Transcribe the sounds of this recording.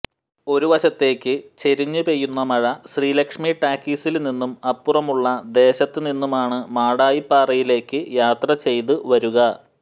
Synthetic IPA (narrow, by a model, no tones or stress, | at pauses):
o̞ɾuʋɐɕɐt̪ːe̞ːkːɨt͡ɕe̞ɾiɲːupe̞jːunːɐmɐɻɐɕriːlɐkʂmiʈaːkːisilninːumɐpːurɐmuɭːɐd̪e̞ːɕɐt̪ːɨninːumaːɳɨmaːɽaːjipːaːrɐjile̞ːkːɨjaːt̪rɐt͡ɕe̞jt̪ɨʋɐɾuɣɐ